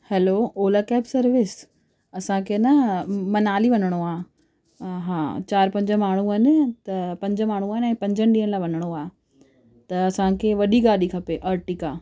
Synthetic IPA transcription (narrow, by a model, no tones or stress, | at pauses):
hɛloːoːlakɛːpsɐɾʋɪs | ɐsãkʰenɐmɐnaːliʋɐnəɽ̃oaː | ɦãːt͡ɕaːɾpɐ̃ɲd͡ʑə̆maːɳ̤uaːnɪ̆t̪ɐpɐ̃ɲd͡ʑə̆maːɽ̤̃uaːnɛ̃ːpɐ̃ɲd͡ʑʱənɪ̆ɗiːənɪlaːʋɐnəɽ̃oaː | t̪ɐːsãkʰeʋɐɗiɡaːɗikʰɐpeʔɐɾʈiːkaː